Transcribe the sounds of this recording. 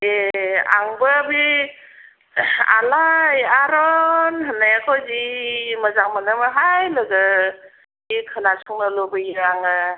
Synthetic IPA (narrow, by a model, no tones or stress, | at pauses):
ea̰ŋbɯbi | a̰lajaɾɔnɦanajakʰɔziməzaŋmanɯmaɦajlɯɡə | ikʰɯnasɔŋnɯlobɯjiɾaŋɯ